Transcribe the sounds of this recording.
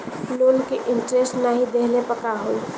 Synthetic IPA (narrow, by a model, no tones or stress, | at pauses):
loːlkeʔɪɳʈɾesʈnaɦid̪eɦlepəkaɦoːi